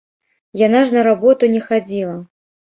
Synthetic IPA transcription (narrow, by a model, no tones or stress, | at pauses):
janaʐnɐɾabɔt̪unʲɛxad͡zʲilˠɐ